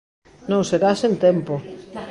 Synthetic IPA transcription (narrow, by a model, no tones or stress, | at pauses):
nõwseɾasent̪empo